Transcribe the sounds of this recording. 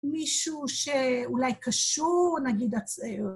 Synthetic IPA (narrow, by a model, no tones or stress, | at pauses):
miʃuʃeulajkaʃuʁnaɡid̪a